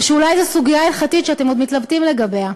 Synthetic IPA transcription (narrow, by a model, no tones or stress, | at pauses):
ʃeulajzesuɡijailχatitʃeat̪emo̞d̪mit̪labt̪imleɡabe̞a